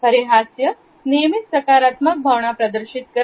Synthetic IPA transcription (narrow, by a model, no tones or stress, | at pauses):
pɐɾeɦaːsjɐ | neːmit̪sɐkaːɾaːt̪mək̚bʱɐʋɳapɾɐd̪əɾʃit̪kɐ